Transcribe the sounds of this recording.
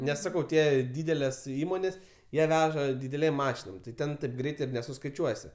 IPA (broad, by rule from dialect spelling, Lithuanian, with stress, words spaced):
ˈnʲɛs ˈsɑːkɐʊ ˈtʲiɛ ˈdʲiːdʲɛlʲɛs ˈiːmoːnʲeːs ˈjiɛ ˈʋʲæːʒɐ dʲɪdʲɛˈlʲeːm ˈmɑːʃʲɪnoːm tɐɪ ˈtʲɛn tɐɪp ˈɡrʲɛɪt ɪr nʲɛsʊskɐɪˈt͡ʃʲuɔsʲɪ